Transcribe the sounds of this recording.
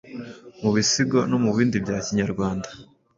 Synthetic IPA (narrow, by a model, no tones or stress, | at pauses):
muβisiɡono̞muβiːndibɟaːciɲaɾɡwaːndḁ